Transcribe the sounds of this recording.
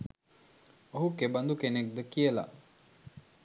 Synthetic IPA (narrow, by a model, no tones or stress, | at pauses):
oɦukeband̪ukenek̚d̪əkijəla̰